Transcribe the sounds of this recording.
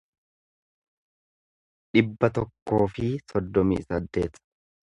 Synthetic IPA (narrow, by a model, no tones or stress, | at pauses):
ᶑɪbːɐt̪ɔkːo̞ːfɪsɔd̪ːɔmḭːsɐd̪ːe̞̰ːt̪